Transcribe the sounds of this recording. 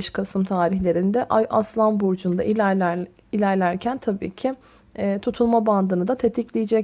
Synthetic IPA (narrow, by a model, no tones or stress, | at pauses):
ʃkʰasɯmt̪ʰaːɾiçlʲe̞ɾind̪ɛʔajʔaslˠanbuɾd͡ʒund̪aʔi | ilʲæɾlʲæɾcʰænt̪ʰabḭːcʰɪ | t̪ʰut̪ʰulˠmaband̪ɯnɯd̪at̪ʰet̪ʰiclʲijid͡ʒɛc